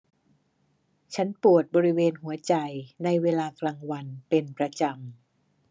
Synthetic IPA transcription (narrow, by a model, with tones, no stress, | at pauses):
t͡ɕʰa˦˥npu˨˩ət̪̚bɔː˧ɾi˦˥weː˧nhu˩˦ɐt͡ɕa˧jna˧jweː˧laː˧kʰlaː˧ŋwa˧npe˧npɾa˧t͡ɕa˧m